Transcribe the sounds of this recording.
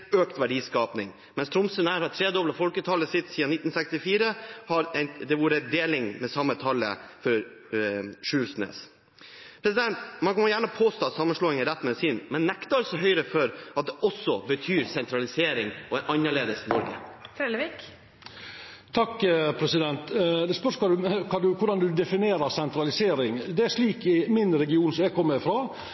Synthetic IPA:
øːkt̪ʋæɖiːskɑːpnɪŋ | mɛnst̪ʰɾɔmsənæːɾhɑʈ̪ʰɾeːd̪ɔbləfɔlkət̪ʰɑlːəsɪt̪siːɑnɪt̪ːn̩sɛkst̪ɪfiːɾəhɑɾɛd̪ɛʋuːɾəd̪eːlɪŋmɛsɑmːət̪ʰɑlːə̰fɔɾ | ʂʉːsnḛːs | pʰɾɛs̬ɪd̪ɛnt̪mɑnkʰɑnjæːɳəpʰoːst̪oːsɑmənʂɭoːɪŋəɾɛt̪ːmɛsɪnmɛnːɛkt̪ɑɾsɔɦœʏɾəfɔɾʔɑt̪̚d̪ɛʔɔsːɔbət̪ʰyːɾsɛnt̪ʰɾɑlɪseːɾɪŋɔɛnʔɑnːəɭeːd̪əsnɔɾɡə̰fɾɛləʋiːk | t̪ʰɑkːpʰɾɛsɪd̪ɛnt̪d̪ɛspœʂmld̪ʉkʰɑːd̪ʉkʰʊɖɑnd̪ʉd̪ɛfɪneːɾəɾsɛnt̪ɾɑlɪseːɾɪŋd̪ɛæʂliːkɪmɪnɾɛɡɪuːnsɔmjæɡkʰɔmːəɾɪfɾɑː

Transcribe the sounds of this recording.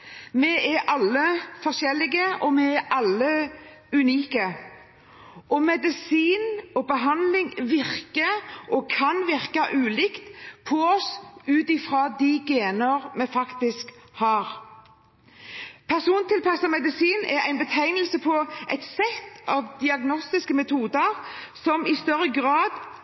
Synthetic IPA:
mɛɛɾʔɑlːəfɔʁʂɛlːɪɡəʔɔmɛɛʔɑlːə | ʉniːkə | ʔɔmɛd̪ɪsiːnɔbəɦɑnlɪŋʋɪʁkəʔɔkʰɑnʋɪʁkɑʔʉːlɪkt̪pʰɔɔsʉːt̪ɪfɾɑːd̪iɡeːnəɾmɛfɑkt̪ɪskhɑːɾ | pʰæʁsuːnt̪ɪlpɑsəmɛd̪ɪsiːnɛɾæ̰ɪnbət̪ʰæɪnəlsəpʰɔʔæ̰ɪt̪sɛt̪ːɑʋd̪ɪɑɡnɔst̪ɪskəmɛt̪ʰuːd̪əɾsɔmɪst̪œɾəɡʁɑːd̪

